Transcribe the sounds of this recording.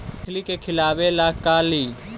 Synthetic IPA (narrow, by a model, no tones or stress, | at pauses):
kʰlikekʰɪlaːʋelaːkaːliː